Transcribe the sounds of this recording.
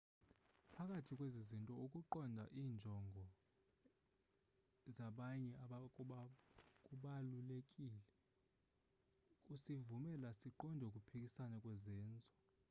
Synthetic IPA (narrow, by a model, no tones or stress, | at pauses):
pʰakʼatʰikʼwezizintʼɔukʼuǃɔndʱa̰ʔiːnd͡ʒʱɔŋɡʱɔ | zaɓaɲɛaɓa | kʼuɓalulekʼilɛ | kʼusivumɛlasiǃɔndʱɔukʼupʰikʼisanɛkʼwɛzɛːnd͡zʱɔ